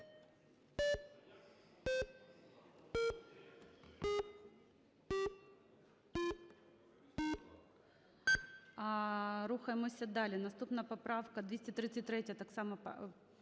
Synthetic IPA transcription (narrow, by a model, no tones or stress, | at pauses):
ɾuxɐjmɨsʲɐd̪alʲɪnɐst̪upnɐjəpɐpɾafkɐd̪vʲesʲtʲɪt̪ɾʲit̪sɨt̚ʲt̪ɾʲetʲjət̪aksamɐpɐ̰